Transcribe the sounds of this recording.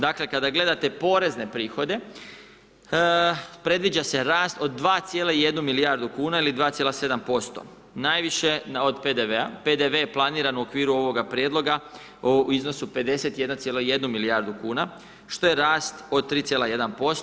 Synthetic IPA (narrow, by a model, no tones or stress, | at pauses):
d̪akle̞kad̪aɡle̞d̪at̪e̞po̞ːɾe̞zne̞pɾiːxo̞d̪e̞ | pɾe̞d̪ʋid͡ʑase̞ɾaːst̪o̞d̪̚ːʋaːt̪sjeːleije̞d̪numilijaɾd̪ukuːnailid̪ʋaːt̪sjelase̞d̪ampo̞st̪o̞̰ | najʋiʃe̞no̞d̪pe̞d̪eʋeaped̪eʋe̞jeplˠaniːɾanuokʋiːɾuo̞ʋo̞ɡapɾjed̪lo̞ɡa | oiznosupe̞d̪e̞se̞t̪jed̪nat̪sjeloje̞d̪numilijaɾd̪ukuːna | ʃt̪o̞jeɾaːst̪o̞d̪̚t̪ːɾiːt̪jelaje̞d̪anpo̞s